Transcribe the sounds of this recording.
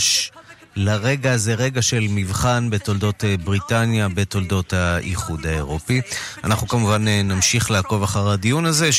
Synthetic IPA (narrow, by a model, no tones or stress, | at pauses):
ʃ | laʁe̞ɡaːze̞ʁe̞ɡaʃe̞lmivχanbe̞to̞ldo̞tebʁitanjabe̞to̞ldo̞thaʔiχudaeʁo̞pia̰naχnukamuvannamʃiχlaːko̞vaχaʁadijunaze